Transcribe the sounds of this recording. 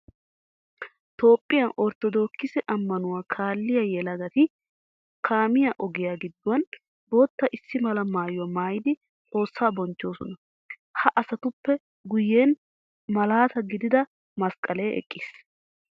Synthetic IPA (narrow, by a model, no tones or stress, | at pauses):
t̪o̞ːpʼːɪjɐnɔɾt̪ɔd̪o̞ːkːɪsɛʔɐmːɐnʊwaːkʰaːlːɪjɐjɛlɐɡɐt̪ɪ | kʰaːmɪjɐʔɔɡɪjaːɡɪd̪ːʊwɐn | bo̞ːt̪ːɐʔɪsːɪmɐlɐmaːjʊwɐmaːjɪd̪ɪ | t͡sʼo̞ːsːaːbɔnt͡ʃːo̞ːsɔnɐ | hɐʔɐsɐt̪ʊpːɛ | ɡʊjːeːn | mɐlaːt̪ɐɡɪd̪ɪd̪ɐ | mɐskʼːɐleːʔɛ̰kʼːiːs